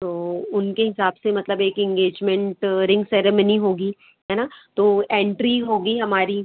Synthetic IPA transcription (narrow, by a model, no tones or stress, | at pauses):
t̪oːʊnkeɦɪsaːbsemɐt̪ləbeːkɪ̃ŋɡeːd͡ʒmɛ̃ɳʈɾɪ̃ŋɡsɛːɾeːməniɦoːɡiː | ɦɛːnat̪oːẽːɳʈɾiɦoːɡiɦɐmaːɾi